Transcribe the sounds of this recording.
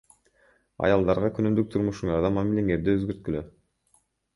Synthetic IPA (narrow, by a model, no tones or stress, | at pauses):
ɑ̰jɑlˠd̪ɑɾʁɑkʰynymd̪yk̚t̪ʰuɾmuʃuɴɑɾd̪ɑmamileŋe̞ɾd̪iøzɡø̞ɾt̪̚kylø